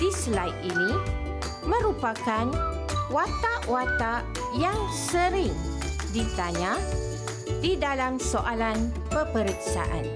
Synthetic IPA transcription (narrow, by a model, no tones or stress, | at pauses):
d̥islajʔinĩ | mə̃ɾupakan | wat̪aʔwat̪a | jaŋsəɾɪŋ | dit̪aɲã | didalamsoʔalan | pəpəɾəksa̰ʔa̰n